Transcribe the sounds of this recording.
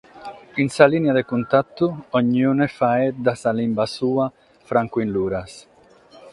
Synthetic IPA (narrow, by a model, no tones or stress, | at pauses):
insalinead̪ekunt̪at̪ːuɔɲːunefaɛd̪asalimbasuːa | fɾaŋkuinluːɾas